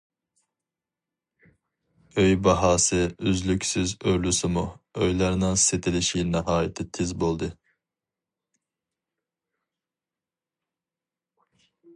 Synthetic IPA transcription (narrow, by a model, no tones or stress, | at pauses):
øjbɑɦɑːsɨyzlykʲsyzøɾlysɨmuøjlˠɑɾnɨŋset̪ʰɪlɪʃinɛɦɑːjɪt̪ʰɪt̪ʰɪzbolˠd̪ɨ